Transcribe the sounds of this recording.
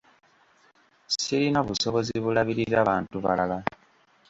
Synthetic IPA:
siɾinoβuso̞βoziβulaβiɾiɾaːβaːntuβa̰lala

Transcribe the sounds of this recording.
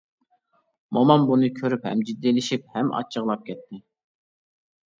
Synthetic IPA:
mɑmɑmbunɨkʲʰøɾyphɛ̰md͡ʒid̪ːilɪʃip̚hɛmʔɑ̰t͡ʃʰːəʁlˠɑp̚kʲʰɛt̪ʰːɪ

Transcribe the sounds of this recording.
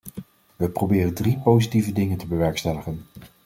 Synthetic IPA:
ʋəprobɪːrəndripowzitivədɪŋəntəbəʋɛɹkstɛləχən

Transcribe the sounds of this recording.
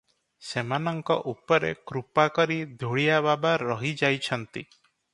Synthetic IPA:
semanɔŋkɔʔupɔɾḛkɾupakɔɾid̪ʱuɽijaβabaɾɔɦid͡ʒajt͡ʃʰɔnt̪ḭ

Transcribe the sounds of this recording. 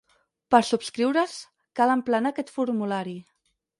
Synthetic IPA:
pəɾsupskɾiwɾəs | kaləmplənakɛt̪fuɾmulaɾi

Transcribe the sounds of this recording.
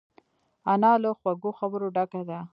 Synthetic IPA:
anɑləxwaɡoxabəɾoɖakad̪a

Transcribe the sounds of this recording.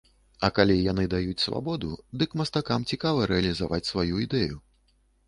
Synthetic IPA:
ɐkalʲijan̪ɨd̪ajut͡sʲsva̰bɔd̪ud̪ɨkmɐst̪akamt͡sʲikavɐɾɛɐlʲizavat͡sʲsvajuid̪ɛju

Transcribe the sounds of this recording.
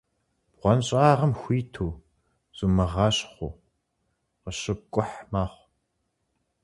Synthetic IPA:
b̥ʁʷɔnɕʼaːʁɐmxʷiːtʰoː | z̥umɐʁɑːɕʼχʷo̰ | qəɕɪb̚kʷʼʊħmaːχʷ

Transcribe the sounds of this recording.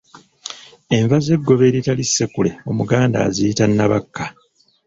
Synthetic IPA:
e̞ɱvaze̞ɡːo̞βe̞ːɾitalisːe̞kule̞o̞muɡaːnda̰ːziitanːaβakʰːa

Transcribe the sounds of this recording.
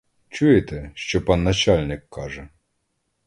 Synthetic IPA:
t͡ʃujet̪ɛʃt͡ʃɔpɑnːɐt͡ʃɑlʲnɪkːɑʒɛ

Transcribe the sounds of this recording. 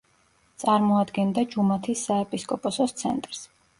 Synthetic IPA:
t̪sʼaɾmɔad̪ɡɛnd̪ad͡ʒumat̪ʰisːaɛpʼiskʼɔpʼɔsɔst̪sʰɛ̰nt̪ʼɾs

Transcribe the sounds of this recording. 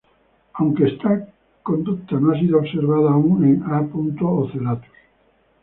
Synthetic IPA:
awŋkeest̪a | kond̪uk̚t̪anõas̬iðooɣseɾβaðauŋnẽŋapunt̪ooθelat̪u̥s

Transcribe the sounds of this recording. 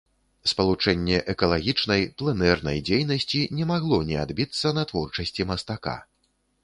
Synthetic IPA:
spɐlˠut͡ʂɛnʲːɛʔɛkɐlˠaɣʲit͡ʂnɐjplˠɛnɛrnɐ̰jd͡zʲejnɐsʲt͡sʲinʲɛmaɣlˠɔnʲɛad̪bʲit̪sːɐnɐt̪vɔrt͡ʂɐsʲt͡sʲimɐst̪aka̰

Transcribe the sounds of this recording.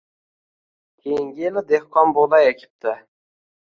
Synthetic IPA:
kʲʰejɪŋɡʲɪelɪd̪ehqʰɒnboʁlajekʲʰɪ̥p̚t̪ʰɪ

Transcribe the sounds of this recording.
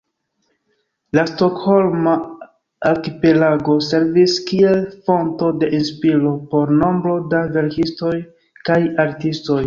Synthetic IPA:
lasto̞kho̞lmaː | lkipe̞laɡo̞se̞ɾviskie̞lfo̞nto̞de̞ʔinspilo̞po̞ɾno̞mbɾo̞dave̞ɾkisto̞j | kajaɾtisto̞j

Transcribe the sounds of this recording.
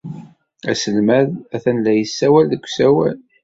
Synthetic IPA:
æ̰səlmæðæθænlːæjəsːæwælðəkʷːsæwæl

